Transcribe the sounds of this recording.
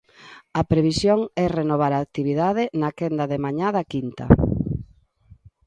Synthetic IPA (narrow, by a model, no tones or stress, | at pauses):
ɐpɾeβ̞isjoŋɛrenoβ̞aɾaːk̚t̪iβiðaðɪnakend̪ɐðemaɲaðɐkint̪ɐ̰